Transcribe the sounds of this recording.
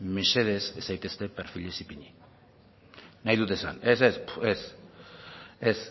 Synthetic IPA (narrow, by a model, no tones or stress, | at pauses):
miʃe̞ðe̞sesajt̪e̞st̪e̞peɾfilesipiɲi | najðut̪̬esa̰nesespes | es